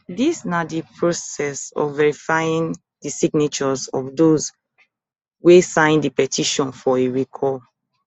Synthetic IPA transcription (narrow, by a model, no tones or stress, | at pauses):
disnadipʰɹosɛsɔ̰fvɛɹifaĩŋ | disiɡnit͡ʃɔzɔfdoz | wesãɪ̃ndipɛtʰiʃɔ̃nfɔeɹikʰɔ